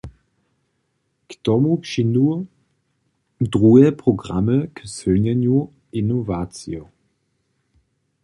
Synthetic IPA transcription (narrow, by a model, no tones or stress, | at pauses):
ktɔmupʃinu | dʁuɛpʁ̥oɡʁaməkəsvønɲɛnju | inovaːt͡sjo